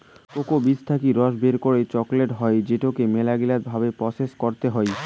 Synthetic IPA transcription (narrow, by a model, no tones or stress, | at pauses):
kokobit͡ɕʰt̪ʰakiɾɔʃbeɾkoɾet͡ɕɔkleʈɦɔed͡ʑeʈokemelaɡilat̪bʱabepɾɔseskoɾt̪eɦɔe